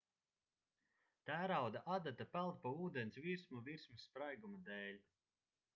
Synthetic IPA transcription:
t̪æːɾawd̪aʔad̪at̪apælˠt̪̚pauːd̪ɛnsviɾsmuviɾsmisːpɾajɡumad̪ɛːlʲ

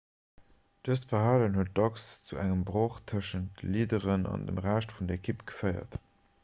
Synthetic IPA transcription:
d̥əstfɐɦaːlənhuət̚d̥ɑkst͡suæŋəmbʁoːχtʰəʃənt̚dəliːdəʁənɑ̰ndə̰mʁæːʃtfundɐekʰipɡ̥ə̥fəɪɐ̰t

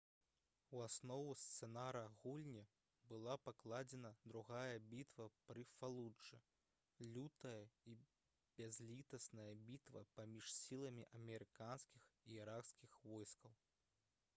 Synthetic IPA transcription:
wasnɔvust̪sɛnaɾɐɣulʲnʲɐ | bɨlˠapaklˠad͡zʲɛnɐd̪ɾuɣajɐbʲit̪vɐpɾɨfalˠud͡ʐɨ | lʲut̪ɐjɐi | bʲazʲlʲit̪ɐsnɐjɐbʲit̪vɐ̰pamʲiʂsʲilˠɐmʲiʔɐmʲɛɾɨkanskʲixiiɾakskʲixvɔjskɐw

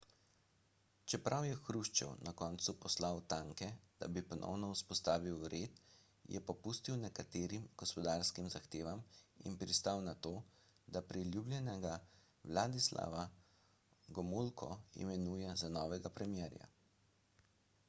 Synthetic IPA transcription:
t͡ʃɛpɾʔawjɛxɾuʃt͡ʃɛ̰wnʔakɔːnt̪supɔslawt̪aːŋkɛd̪̥a̰bipɔnʔɔ̰wnɔuspɔst̪aːʋiwɾeːt̪ | jɛ̰pɔpust̪iwnɛkat̪eːɾimɡ̥ɔspɔd̪aːɾskimzaxt̪eːʋamḭnpɾist̪awnat̪oː | d̪apɾilʲjublʲjɛnɛɡa | wlaːd̪isla̰ʋa | ɡɔmulkʰɔ̰ḭmɛnuːjɛzanɔːʋɛɡapɾɛmjɛːɾja̰

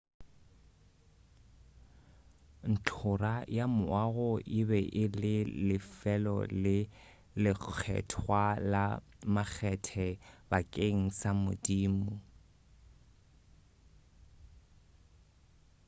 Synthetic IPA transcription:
n̩t͡ɬʰʊrajamʊaɣʊʔɪbɛʔɪlɪlɪfɛlɔ̰lɪ | lɪk͡xʰɛ̰tʰwalamak͡xʰɛtʰɛbakʼeŋ̩samʊ̰diːmʊ

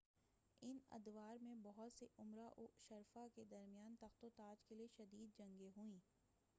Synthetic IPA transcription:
ɪnɐ̰d̪ʋaːɾmẽbɔɦʊt̪seʔʊmɾaʔʊʃɐɾfaked̪ɐɾmijaːnt̪ɐxt̪ot̪aːd͡ʒkelieʃɐd̪iːd̪̚d͡ʒɐ̃ŋɡeɦuĩː

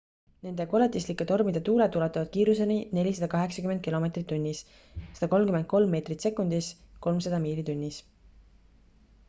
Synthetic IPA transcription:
ne̞nd̪eko̞let̪ːˑislikːˑet̪o̞rmid̪̥et̪uːlet̪ulɑt̪ːˑɑvɑd̪̥̚kiːɾusenine̞lʲisɑd̪̥ɑkɑɦe̞ksɑ̥kymend̪kilo̞me̞ːt̪rit̪ːunʲːis | sɑ̥d̪ɑko̞lmkymend̪̥̚ko̞lmːe̞ːt̪rit̪se̞kːˑund̪̥isko̞lmsɑd̪ɑmiːlit̪unʲːis

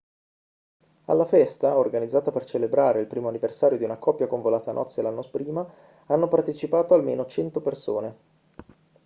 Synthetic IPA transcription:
a̰lːafɛst̪aorɡanid̪zːaːt̪apert͡ʃelebɾaːɾeilpɾiːmoanːiversaːɾjod̪iunakɔpːjakoɱvolaːt̪anʔɔ̰t̪sːelanːospɾiːma | anːopart̪et͡ʃipaːt̪oalmḛːnot͡ʃɛnt̪operso̰ːne

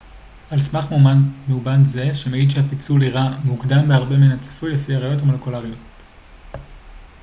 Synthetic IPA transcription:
alsmaχmumanmeubanze̞ʃemeidʃ̬eapit͡suliʁamukdambeaʁbeminat͡sḁfujlefiaʁajo̞tamo̞lekolaʁijo̞t

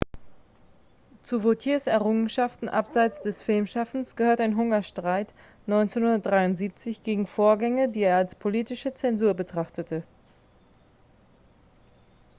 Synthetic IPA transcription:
t͡suvotʰjiːɐsɛɐʁʊŋənʃaftn̩ʔapz̥aɪt͡sd̥ɛsfɪlmʃafn̩sɡ̥əhøːɐtaɪnɦʊŋɐʃtʁ̥aɪt | nɔʏnt͡senhʊndɐt̚d̥ʁaɪʊntz̥iːp̚t͡sɪçɡ̥eːɡŋ̩foːɐɡɛŋədiːeːɐalspʰoliːtɪʃət͡sɛnzuːɐbətʁ̥aχtətʰə

